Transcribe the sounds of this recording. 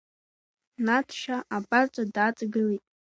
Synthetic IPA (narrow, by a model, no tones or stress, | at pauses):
natʰʃaʔabat͡ʃʼadat͡sʼɡɨlitʼ